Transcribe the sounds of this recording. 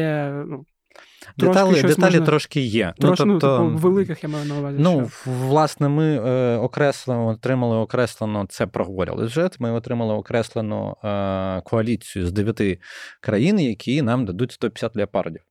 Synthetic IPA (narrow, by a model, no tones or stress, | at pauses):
ɛnu | d̪eɔalʲd̪et̪ɑlʲit̪ɾɔʃkɪjɛnuɔp̪ɔʋelˠɪkɪxjamajʊnɐʊʋazʲinuʋlˠɑsnɛmɪɔkɾɛslˠeɔt̪ɾɪmɐlˠɪɔkɾɛslˠenɔt̪sɛpɾʔɔɦɔʋɔɾʲɪ̰lˠɔ̰sʲʊʒɛt̪mɪɔt̪ɾɪmɐlˠɪɔkɾɛslˠenʊ̰ | kʰɔɐlʲit͡sʲijʊzd̪eʋʲjɐt̪ɪkɾɐjinjɐkʲʰinɑmd̪ɐd̪utʲst̪ɔpʲɪ̥sʲat̪ʲlʲɐpɑrdʲiw